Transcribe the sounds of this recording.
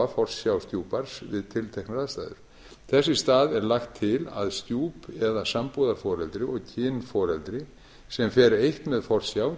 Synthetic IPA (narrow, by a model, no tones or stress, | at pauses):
afɔr̥sjawst̪juːpaɾ̥svɪðt̪ʰɪlt̪ʰejhknɾaðst̪aːðʏ̰ɾ̥ | θɛsːɪst̪aːðɛɾlaxt̪ʰːɪla̰ðst̪juːpɛðasampuðaɾ̥fɔːɾɛlt̪ɾɪɔɣcʰɪːnfɔːɾɛlt̪ɾɪ | sɛmfɛːɾejht̪mɛðfɔr̥sjaːw